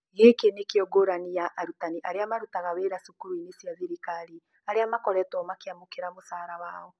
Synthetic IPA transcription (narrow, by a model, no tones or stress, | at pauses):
ɣekenekeɔɡoɾanijaʔaɾutaniʔaɾeamaɾutaɣaweɾasukuɾuinesjaðiɾikaɾi | aɾeamakɔɾɛtɔmakeamokeɾamosaːɾawaːɔ